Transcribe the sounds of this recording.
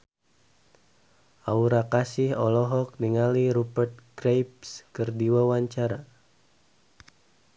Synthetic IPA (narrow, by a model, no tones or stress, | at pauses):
ʔauɾakasɪhɔlɔɦɔk̚niŋaliɾupərt̪̚ɡrejpskɨrdiwawaɲt͡ʃaɾa